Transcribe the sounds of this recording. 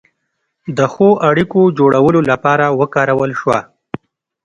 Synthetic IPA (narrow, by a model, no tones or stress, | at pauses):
d̪əxoʔaɽikod͡ʒoɽawəlolapɑɾawəkɑɾawəlʃwa